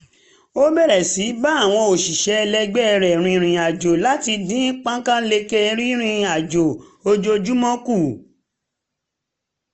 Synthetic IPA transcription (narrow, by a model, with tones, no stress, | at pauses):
o˦bɛ˦˨ɾɛ˨si˨˦ba˦a˦˨w̃ɔ̃˧o˨ʃi˨ʃɛ˧˦˧lɛ˧ɡ͡bɛ˦˧ɾɛ˨ɾ̃ĩ˧ɾ̃ĩ˨a˨d͡ʒo˨la˨˦ti˧dĩ˨˦k͡pã˦kã˦le˧ke˦˧˦ɾ̃ĩ˦ɾ̃ĩ˧a˨d͡ʒo˨o˧d͡ʒo˧d͡ʒu˦mɔ̃˦ku˦˨